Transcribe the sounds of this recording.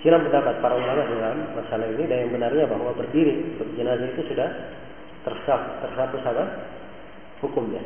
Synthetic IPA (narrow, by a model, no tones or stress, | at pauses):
sinampəndapat̪̚paɾauŋbaŋat̪sdalamːasalaɦinidajaŋbənarɲabaɦwabərdiɾiut̪ʊk̚d͡ʒənazait̪usudah | t̪ərsaf̚t̪ərsapusaba | hukʊmɲa